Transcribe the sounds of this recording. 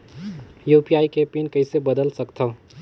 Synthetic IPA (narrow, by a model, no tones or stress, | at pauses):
juːpiaːikepinkɐɪsebəd̪əlsəkt̪ʰɐ